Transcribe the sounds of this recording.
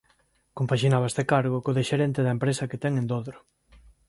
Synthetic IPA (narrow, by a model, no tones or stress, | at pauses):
kompaʃinaβaest̪ekaɾɣokoðiʃeɾɛnt̪eðɐempɾesɐket̪ɛŋẽnd̪oðɾo